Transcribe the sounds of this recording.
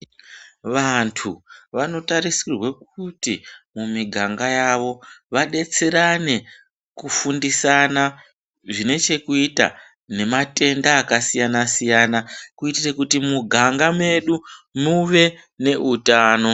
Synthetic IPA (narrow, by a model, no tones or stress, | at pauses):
ʋantʰuʋano̞tarisirwe̞k̚utimumiɡʱaŋɡajaʋo̞ʋaɗe̞t͡se̞ɾane̞ | kufundisana | ʐine̞t͡ʃe̞kuita̰ | ne̞mate̞ndaːkasijanasijaːnakuitirekutimuɡʱaŋɡame̞ɗumuʋe̞ne̞ʔutaːno̞